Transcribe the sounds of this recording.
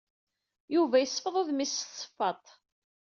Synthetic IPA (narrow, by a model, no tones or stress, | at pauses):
juvæjəsˤːfəðˤoðmissə̥fːɑt̪ˤ